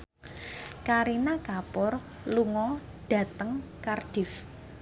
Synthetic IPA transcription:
kaɾinakapʊr | luŋɔ | ɖ̥a̤t̪əŋkard̥ɪf

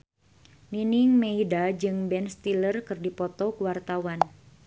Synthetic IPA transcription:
minɪŋmeidad͡ʒɨŋbɛnst̪ilərkɨrdipɔt̪ɔkuwart̪awan

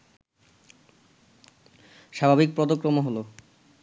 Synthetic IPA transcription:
ʃabʱabik̚pɾɔd̪okɾomoɦolo

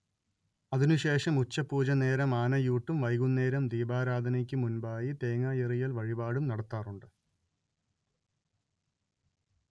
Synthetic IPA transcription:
ɐðinuɕe̞ːʂɐmut͡ɕːɐpːuːd͡ʑɐne̞ːɾɐmaːnɐjuːʈːumʋɐjɣunːeːɾɐmd̪iːbaːɾaːd̪ʱɐnɐk̬ʲːɨmunbaːjit̪e̞ːŋaːjerijɐlʋɐɻibaːɽumnɐɽɐt̪ːaːruɳɖɨ

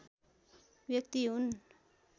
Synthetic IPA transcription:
bjʌkt̪iɦun

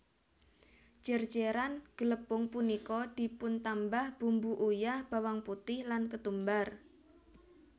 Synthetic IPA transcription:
d͡ʒ̥ər̥d͡ʒeɾanɡ̥ələpʊŋpunikɔd̪̥i̤pʊnt̪ambahb̥umbuʔujahb̥a̤waŋput̪ɪhlankət̪umbar

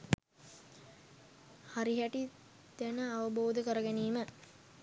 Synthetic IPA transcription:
haɾiɦæʈi | d̪̥ænəaʋəboːd̪əkəɾəɡæniːmə

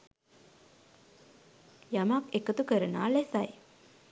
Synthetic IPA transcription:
jamakekət̪ukəɾənaːlesaj

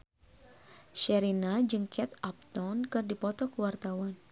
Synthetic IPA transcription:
ʃɛɾinad͡ʒɨŋkʰɛt̪ap̚t̪ɔnkɨrdipɔt̪ɔkəwart̪awan

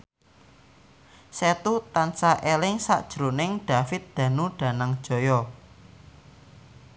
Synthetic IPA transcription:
set̪ut̪ansaʔelɪŋsa̰ʔd̥ʒ̥ɾonɪŋɖ̥a̤fɪt̪̚d̪̥ä̤nuɖ̥ä̤naŋd̥ʒ̥ɔ̤jɔ

